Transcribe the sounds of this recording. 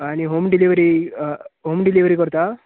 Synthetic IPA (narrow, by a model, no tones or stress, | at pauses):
aniɦoːmɖiliʋɐɾi | ɦoːmɖiliʋɾikɔɾt̪a